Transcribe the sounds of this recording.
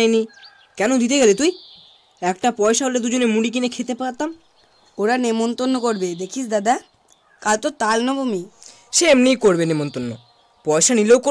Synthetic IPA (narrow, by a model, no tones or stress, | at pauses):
eni | kɛnod̪it̪̬eɡelet̪uj | ɛkʈapɔeʃaɦoled̪ud͡ʑonemuɽik̬inekʰet̪epaɾt̪am | oɾanemont̪onːokoɾbed̪ekʰisd̪ad̪a | kalt̪ot̪alnɔbomi | ʃeemnijkoɾbenemont̪onːo | pɔeʃanilewko